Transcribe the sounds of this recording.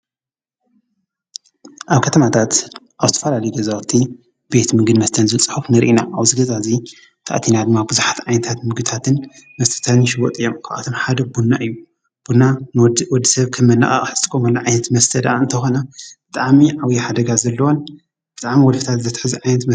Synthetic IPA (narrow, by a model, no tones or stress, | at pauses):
ʔaβkʰɐt̪ʰɐmat̪ʰat̪ʔaβzɨt̪ʰɐ̥fɐlalɐjuɡɐzawt̪ʰi | be̞t̪mɨɡɨd̪mɐst̪ʰɐnzɨt͡sʼħufnɨɾʔinaaβzɨɡɐzazi | t̪ʰa̰ʔt̪ʰinad̪ɨmːabɨzuħat̪ʕajnɐt̪ʰat̪mɨɡɨt̪ʰat̪ʰɨn | mɐst̪ʰɐ̥t̪ʰanʃɪwot̪ʼɨjːomkʰaʔʔa̰t̪ʰomħad̪ɐbunːaʔɨjːu | b̥unːawɔd̪ːisɐβkʰɐmːɐnːa̰ʔʼa̰ʔʼħɨz̥ɨt̪ʼɨkʼːomɐlːaʕajnɐt̪mɐst̪ʰɐd̪aɨnt̪ʰɐxonɐb̥ɨt̪ʼaʕmiʕawjiħad̪ɐɡazɐlːɐwon | b̥ɨt̪ʼaʕmiwɔlfi̥t̪ʰat̪zɐt̪ħɨziʕajnɐt̪m